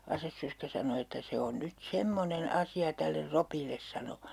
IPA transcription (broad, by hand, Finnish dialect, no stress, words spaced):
ɑsesːørskæ sɑno etːæ se on nyt semːonen ɑsiɑ tælːer ropilːes sɑno